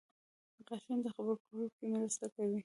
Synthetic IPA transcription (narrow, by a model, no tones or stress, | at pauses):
d̪əqaʃind̪əxabəɾpəhukemɾast̪akawi